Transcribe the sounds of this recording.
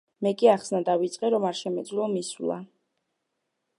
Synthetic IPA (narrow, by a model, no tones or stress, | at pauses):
mɛkʼiaχsnad̪avit̪sʼqʼɛɾɔmaɾʃɛmɛd̪zlɔmisulˠa̰